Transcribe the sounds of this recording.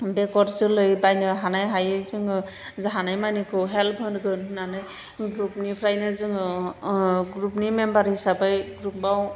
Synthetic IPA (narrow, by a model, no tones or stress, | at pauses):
bɛkɔɾzɯlɯjbajnɯɦanajɦajɯzɯŋ | zaɦanajmanikʰɯwɦɛlpʰɯnɡɯnnanɯj | ɡɾupnipʰɾajnazɯŋ | ɡɾupnimɛmbaɾhisabɯjɡɾup̚baw